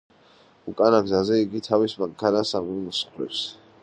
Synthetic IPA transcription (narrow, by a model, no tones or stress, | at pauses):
ukʼanaɡzazɛiɡit̪ʰavismaŋkʰanasamɔmɔsχɾɛ̰ps